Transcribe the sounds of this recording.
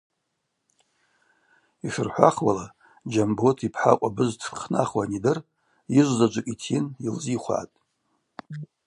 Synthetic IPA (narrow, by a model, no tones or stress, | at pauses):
iʂɨrħʷa̰χwa̰la | d͡ʒambotʰipʰħaqʷʼabɨztʰqʰna̰χwanidɨr | jiʒʷzad͡ʒʷakʲʼitʰinilziχʷa̰ːtʼ